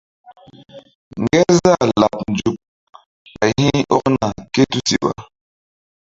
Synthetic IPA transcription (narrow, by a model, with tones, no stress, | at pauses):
ŋ˨ɡɛ˦za˦˨la˨p̚n̩˨d͡ʒu˨p̚ | a˨hi˦ɔ˦ʔna˨ke˦tu˦si˨ɓa̰˨